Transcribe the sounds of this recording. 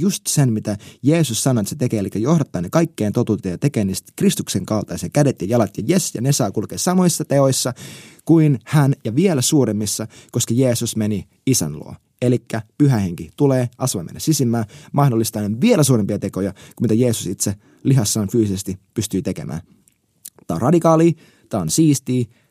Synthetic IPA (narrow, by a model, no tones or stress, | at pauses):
just̪senmit̪æjeːsussɑnoet̪set̪ekeːelikːæjohdɑt̪ːɑːnekɑikːeːnt̪ot̪uːt̪ejɑt̪ekeːniːst̪krist̪ukseŋkɑlt̪ɑjɑsekædet̪jɑjɑlɑt̪jɑjesjɑ̰nesɑːkulkeːssɑmo̞isːɑt̪eojsːɑkuinhænjɑʋielæsuːɾemːisːɑkoskɑjeːsusmeni | isæ̰nlṵo̰ | elikːæpyɦæheŋkit̪uleːʔɑsʋɑimḛnjɑ̰sisimːæːmɑhdolːist̪ɑneʋielæsuːɾempiɑt̪e̞kojɑkumit̪æjeːsusit̪se | liɦɑsːɑːnfyːsisest̪ipyst̪yːt̪e̞kḛmʔæ̰ːn | t̪ɑːnrɑdikɑːliː | t̪ɑːnsiːst̪iː